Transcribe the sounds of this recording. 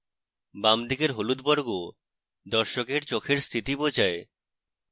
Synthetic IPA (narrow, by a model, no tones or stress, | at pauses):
bamd̪ikeɾɦolud̪bɔɾɡo | d̪ɔɾʃokeɾt͡ɕokʰeɾst̪ʰiʈibod͡ʑae